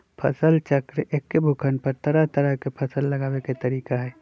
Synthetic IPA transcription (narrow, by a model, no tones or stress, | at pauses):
pʰɐsəlt͡ʃəkɾʔekːebʱʊkʰənpəɾt̪ɐɾəɦt̪ɐɾəkepʰɐsəlːɐɡaːweket̪ɐɾiːkaɦɛː